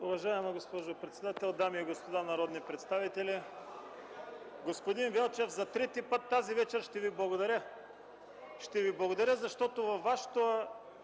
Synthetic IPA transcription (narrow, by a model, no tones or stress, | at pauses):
ʊvɐʒaɛmɐɡospɔʒopɾɛt̪sɛd̪at̪ɛlˠd̪amiːɡospod̪anɐɾɔd̪nipɾɛt̪st̪avit̪ɛli | ɡospod̪invɛlˠt͡ʃɛvzɐt̪ɾɛt̪ipɤt̪ːazivɛt͡ʃɛɾʃt̪ɛviblˠɐɡod̪ɐɾʲə | ʃt̪ɛviblˠɐɡod̪ɐɾʲəzɐʃt̪ɔt̪ovɐfːaʃɛ̥t̪oɐ